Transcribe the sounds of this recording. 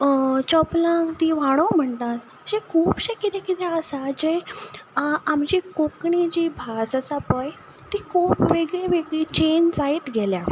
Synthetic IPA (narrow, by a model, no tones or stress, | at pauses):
t͡ɕɔplãt̪iʋaɽ̃om̤əɳt̪at̪̚ | d͡ʑẽkʰuːpɕekit̪ekit̪ɛəsad͡ʑẽ | amd͡ʑikokɳid͡ʑiːbʱasəsapəj | t̪ikʰuːpʋeɡɭiʋeɡɭit͡ɕend͡zait̪ɡʱelja